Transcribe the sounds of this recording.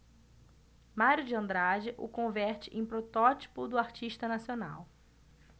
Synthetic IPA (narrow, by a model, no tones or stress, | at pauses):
maɾʊd͡ʒɪɐ̃nd̪ɾad͡ʒɪʔʊ̰kõvɛɾt͡ʃɪʔẽj̃pɾot̪ɔt͡ʃi̥pʊd̪ʊaɾt͡ʃiʃt̪ɐnasiona̰w